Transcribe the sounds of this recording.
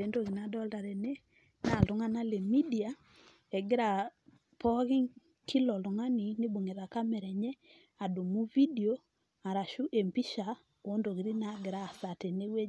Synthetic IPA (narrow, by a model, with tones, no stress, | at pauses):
e˨˦ndo˦˨ɣi˨na˨dɔ˦lda˨ɾɛ˨ne˦ | na˨lʊ˨˦ŋa˦na˦le˨mi˦di˨a˨ | ɛ˨ɡɪ˦ɾa˨ | pʰɔ˦ɣɪ˦ŋ | kʰi˦lɔ˨lo˨ŋa˦ni˨ne˦bu˨ŋe˨ða˨ka˦mɛ˨ɾɛ˨ɲɛ˦ | a˨du˨mu˦vi˦di˨o˦ | a˨ɾa˨ʃu˦ʔe˨mpi˦ʃa˨ | o˨˦ndo˨ɣi˨ɾi˦na˨ɡɪ˨ɾa˦˨sa˨te˨ne˦we˦